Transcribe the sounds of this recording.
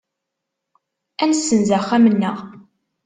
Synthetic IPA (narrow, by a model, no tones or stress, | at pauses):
ænsːənzæχːæmənːəʁ